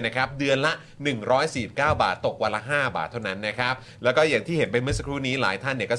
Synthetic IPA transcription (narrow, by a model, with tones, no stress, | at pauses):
na˦˥˩kʰa˦˥p̚dɯ˧ənla˦˥ʔ | nɯ˨˩ŋɾɔː˦˥jsiː˨˩si˨˩p̚kaː˥˩wba̰ː˨˩t̪ːo˨˩k̚wa˧la˦˥ɦaː˥˩ba̰ː˨˩t̪ʰːa˥˩wna˦˥nːa˦˥kʰɾa˦˥p̚ | lɛː˦˥wkɔː˥˩jaː˨˩ŋt̪ʰiː˥˩ɦe˩˦npa˧jmɯ˥˩sa˧kʰɾuː˦˥niː˦˥la̰ː˨˩˦jt̪ʰa˥˩nːi˥˩əkɔ˥˩